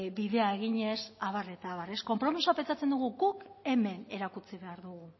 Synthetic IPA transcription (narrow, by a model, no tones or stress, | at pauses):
biðe̞ae̞ɣ̞iɲe̞saβ̞are̞t̪aːβare̞sko̞mpɾo̞misoape̞nt͡sat͡se̞nd̪uɣ̞uɡuke̞me̞ne̞ɾakut͡siβe̞aɾðuɣ̞u